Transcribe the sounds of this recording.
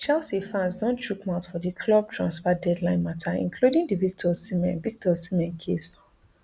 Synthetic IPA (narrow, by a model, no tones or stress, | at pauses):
t͡ʃalsifãnsdõnt͡ʃukmãʊtfɔdikʰlɔb̚tʰɹãnsfadɛdlãɪ̃nmatʰaḭ̃nkʰludĩŋdivik̚tʰɔsimɛ̃nvik̚tʰɔsimɛ̃nkʰes